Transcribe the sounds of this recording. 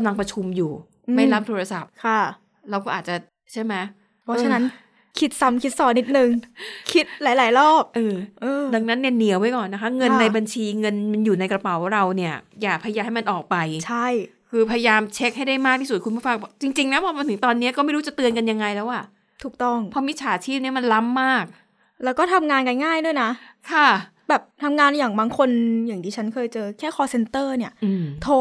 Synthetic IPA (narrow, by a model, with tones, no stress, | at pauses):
kmla˧ŋpɾa˧t͡ɕʰu˧mjuː˨˩ | ma˥˩la˦˥p̚t̪ʰoː˧ɾa˧sa˨˩p̚kʰa˧˥˩ | ɾa˧wkɔː˥˩ʔaː˨˩t̪̚t͡ɕa˨˩ | t͡ɕʰa˥˩jma˦˥j | pʰɔ˦t͡ɕːa˧na˦˥n | kʰi˦˥t̪̚sa˧mkʰi˦˥t̪̚sɔː˨˩ni˦˥t̪̚nɯ˨˧ŋkʰi˦˥t̪̚laː˨˦jlaː˩˦jɾɔː˥˩p̚ʔɤː˧ʔɤː˧da˧˩ŋna˦˥nːi˥˩ɐni˨˦əwma˦˥˩jkɔː˨˩nːa˦˥kʰa˦˥ŋɤ˧nːa˧jba˧nt͡ɕʰiː˧ŋɤ˧nma˧njuː˨˩na˧jkɾa˧pa˨˩˦wɾa˧wni˥˩ɐjaː˨˩k̚ʰa˧ja˧jaː˧mha˥˩jma˧nʔɔː˨˩k̚pa˧jt͡ɕʰa˥˩jkʰɯː˧pʰa˧ja˧jaː˧mt͡ɕʰe˦˥k̚ha˥˩jda˥˩jmaː˥˩k̪̚ʰiː˥su˨˩kʰu˧npʰu˥˩fa˧ŋ˧˥˩t͡ɕi˧ŋt͡ɕi˧ŋlɛ˦˥wpʰɔː˧˩ma˧nt̪ʰɯ˩˦ŋt̪ɔː˧nːi˦˥ɐkɔː˥˩ma˥˩jɾuː˦˥t͡ɕa˨˩t̪ɯ˧ənka˧nja˧ŋa˧jlɛː˦˥wʔa˨˩ | t̪ʰuː˨˩k̚t̪ɔ˥˩ŋpʰɔ˦˥mi˦˥t̪̚t͡ɕʰaː˨˦t͡ɕʰiː˥˩p̚ni˥˩ɐma˧nla˦˥mːaː˥˩k̚ | lɛː˦˥wkɔː˥˩t̪ʰa˧mŋaː˧nka˧nŋaː˥˩jdu˥˩jna˦˥kʰa˥˩ | bɛː˨˩p̚t̪ʰa˧mŋaː˧njaː˨˩ŋbaː˧ŋkʰo˧njaː˨˩ŋt̪ʰiː˧t͡ɕʰa˦˥nkʰɤː˧jt͡ɕɤː˧kʰɛː˥˩kʰɔː˧se˧nt̪ɤː˥˩ni˥˩ɐʔɯː˧t̪ʰoː˦˥